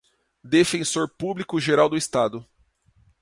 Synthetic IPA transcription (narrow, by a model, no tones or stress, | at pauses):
d̪efẽsoɾpublikʊʒeɾawd̪ʊist̪ad̪ʊ